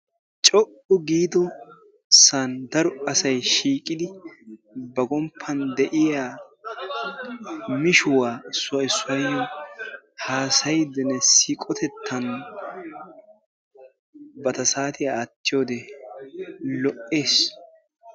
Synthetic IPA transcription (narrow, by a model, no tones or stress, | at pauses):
t͡ʃʼɔʔʊɡiːd̪ɔ | sand̪ɐɾɔɐsɐjʃiːkʼɪd̪ɪ | bɐɡɔmpʰːɐnd̪ɛʔɪjaː | mɪʃʊwaːsʊɪsʊɐjːɔ | haːsɐjd̪ɛnɛsikʼɔt̪ʰɛt̪ʰːɐn | bɐt̪ɐsaːt̪ɪjaːt̪ːɪjoːd̪ɛ | lɔʔːeːs